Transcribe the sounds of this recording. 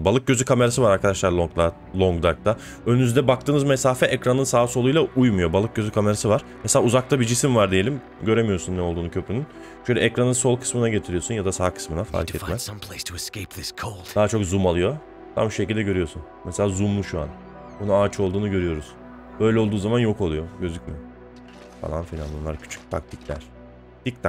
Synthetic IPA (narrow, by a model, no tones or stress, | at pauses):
balˠɯk̚ɟø̞zykʰame̞ɾas̬ɯvaɾaɾkʰad̪aʃlˠaɾlˠod̪ˠa | lˠoŋɡd̪aɾk̚t̪a | ønynyzd̪ɛbak̚t̪ɯːnɯzmesaːfɛʔɛcɾanɯnsaːsolˠujlˠaʔujmujo̞balˠɯk̚ɟøzykʰame̞ɾasɯvaɾ̥mselʲaːuzak̚t̪ʰabid͡ʒisimvaɾd̪eje̞lʲim | ɟø̞ɾe̞mijosunːɛolˠd̪uːnucʰø̞pɾynyn | ʃølʲɛ̰ɛcɾanɯnso̞lˠkʰɯ̥smɯnaɟe̞t̪ʰiɾijo̞sunjad̪asaːkʰɯ̥smɯnafa̰ɾkʰɛtmɛmpʰl̥estʰəɛskeɪp̚ðɪskʰolˠd̥d̥̪aːat͡ʃʰo̞kzumalˠɯjo̞ | t̪ʰa̰muʃe̞cilʲd̪ɛɟø̞ɾyjo̞ɾsun | mɛse̞lʲaːzumlˠuʃua̰n | unuaːt͡ʃʰɯo̞lˠd̪uːnuɟø̞ɾyjo̞ɾuz̥ | bø̞jlʲɛo̞lˠd̪uːzamanjo̞ko̞lˠujo̞ɟø̞zycʲmi | fa̰lˠa̰nfilʲa̰nbunlˠaɾcʰy̥t͡ʃʰy̥c̚t̪ʰa̰k̚t̪ʰiclʲæ̰ɾ̥ | d̪̥ic̚t̪ʰa